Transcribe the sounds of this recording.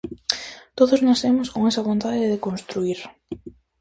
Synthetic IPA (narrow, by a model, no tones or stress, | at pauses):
t̪oðoznasemʊskoŋesɐβont̪aðɪɪðekonst̪ɾuiɾ